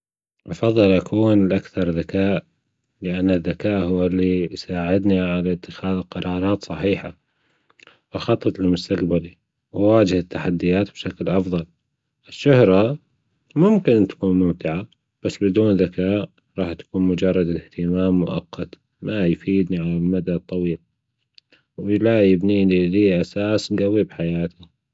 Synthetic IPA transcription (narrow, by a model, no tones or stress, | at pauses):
ʔɑfɑðˤːɨlʔakʰuːnɪlʔakθɑɾˤðakaːʔ | lɪʔanːaðːakaːʔɦʊwːalːisaːʕɪd̪niʕalat̪ːɪxaːðqɑɾˤɑːɾˤɑːt̪sˤɑħiːħa | wɪxɑt̪ˤːɑt̪lmʊst̪aqbali | wwaːd͡ʒɪhat̪ːaħad̪ːɪjaːt̪b̥ʃaklʔɑfðˤɑl | ʔɪʃːʊhɾˤɑ | mʊmkɪnt̪ḁkuːnmʊmt̪ɪʕa | b̥asːbɪd̪uːnðakaːʔ | ɾˤɑːħt̪ḁkuːnmʊd͡ʒɑrˤːɑd̪ɪlɪht̪ɪmaːmːʊʔɑ̰qːɑt̪ | majfiːd̪niʕalalmad̪at̪ˤːɑwiːl | wɪlajɪbniːniliʔasaːslawibħajaːt̪i